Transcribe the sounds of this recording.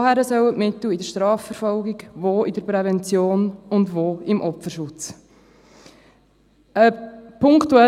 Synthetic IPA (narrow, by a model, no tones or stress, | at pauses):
hæɾəsœwətmɪt̪l̩ɪdəɾʃtɾɑːfəɾfɔlɡiɡvoːidəɾpɾɛvɛnt͡sjoːnʊndvoːɪmʔɔpfəɾʃʊt͡s | əpʰʊŋktuɛ